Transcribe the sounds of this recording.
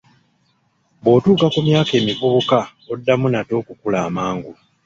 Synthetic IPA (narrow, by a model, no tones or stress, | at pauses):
βwo̞ːtuːkakumjaːke̞ːmifuka | odːamunato̞ːkukulaːmaːŋɡu